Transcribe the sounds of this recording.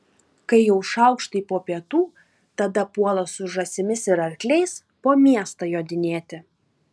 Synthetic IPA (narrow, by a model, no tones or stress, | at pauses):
kɐɪjɛʊʃɐˑʊkʃt̪ɐɪpoːpʲiɛt̪uː | t̪ɐd̪ɐpuɔlˠɐsʊʒɐsʲɪmʲɪsɪɾɐɾʲklʲɛɪs | poːmʲiɛst̪ɐjoːd̪ʲɪnʲeːt̪ʲɪ